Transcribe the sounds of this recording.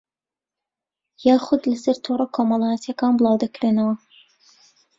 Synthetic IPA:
jɑːχʊd̪lɐsɐɾt̪ʰorˤɐkʰoːmɑlˠɑːjɐt̪ʰjɐkɑːnblˠɑːwd̪ɐkɾenɐwɐ

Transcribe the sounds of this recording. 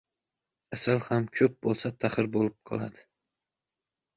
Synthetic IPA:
asalhamkʲʰɵp̚bolˠsat̪ʰahɪɾbolɪp̚qʰɒ̰lˠa̰d̪ɪ̥

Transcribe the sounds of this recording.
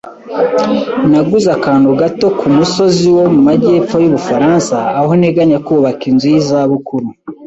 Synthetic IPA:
naɡuzakaːnuɡato̞kʰumuso̞ziwo̞mumaɟeːpp͡fo̞juβufaɾaːnsaːhoneɡaɲakuːβakinzijizaβukuɾu

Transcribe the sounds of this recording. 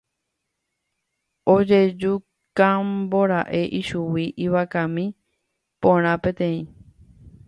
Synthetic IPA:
od͡ʒe̞d͡ʒu | kãmboɾaʔe̞ʔiʃuwiʔiβakãmĩ | põɾ̃ãpẽt̪ẽ̞ĩ

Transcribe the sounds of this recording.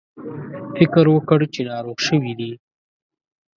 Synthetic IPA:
fɪkɾwəkəɽt͡ʃenɑɾoɣʃəwid̪i

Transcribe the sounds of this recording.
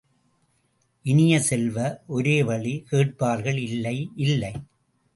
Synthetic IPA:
ʔɪnɪjɐsɛlʋɐʔɔɾeːʋɐɭikeːʈ̚paːɾɣɐɭɪlːɐɪʔɪlːɐɪ

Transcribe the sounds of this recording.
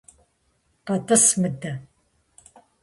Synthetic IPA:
qɐdɐsmɨdɐ

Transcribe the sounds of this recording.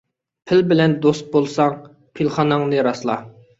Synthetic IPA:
pʰɪlbɪlɛnd̪ost̪̚bolˠsɑŋ | pʰilˠχɑnɑŋnɨɾɑslˠɑ̰

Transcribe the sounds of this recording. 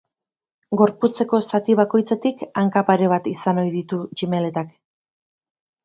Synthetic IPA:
ɡo̞ɾput͡se̞ko̞sat̪iβ̞ako̞jt͡set̪ikaŋkapaɾe̞β̞at̪isano̞jðit̪ut͡ʃime̞le̞t̪ak

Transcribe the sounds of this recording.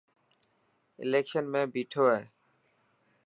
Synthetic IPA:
ḛlekʃonmɛ̃biʈʰoe

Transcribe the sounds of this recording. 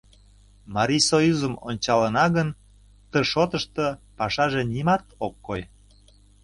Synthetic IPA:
mɑɾʲisojuzəmonʲt͡ɕɑlənɑɣən | t̪əʃot̪əʃt̪ə̆pɑʃɑʒenimɑt̪okːoj

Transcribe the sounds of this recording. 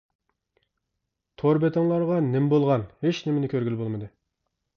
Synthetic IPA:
t̪ʰoɾbet̪ʰɪŋlˠɑɾʁɑnɪmbolˠʁɑnhet͡ʃnɪmɪnɪkʲʰøɾɡʲylbolˠmɨd̪ɨ

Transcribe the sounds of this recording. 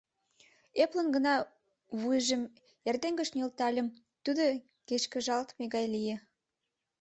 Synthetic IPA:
eplənɡə̆nɑ | βujʒə̆m | jærd̪eŋɡə̆ʃnylt̪ɑlʲə̆m | t̪ud̪o | keʃkə̆ʒɑlt̪meɣɑjlije

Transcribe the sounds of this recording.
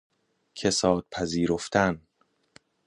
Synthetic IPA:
cʰe̞sɒːd̪̥̚pʰæziːɾoft̪ʰæn

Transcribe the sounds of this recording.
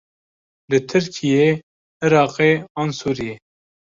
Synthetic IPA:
lɨt̪ʰɨɾkʰije | ɪɾɑːqeɑːnsuːɾije

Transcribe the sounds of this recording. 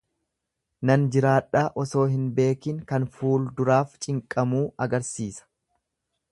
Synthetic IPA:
nɐnd͡ʒɪɾaːᶑːaːʔɔso̞ːɦɪnbe̞ːkɪŋkɐnfuːld̪ʊɾaːft͡ʃʼɪŋkʼɐmuːɐɡɐɾsiːsɐ̥

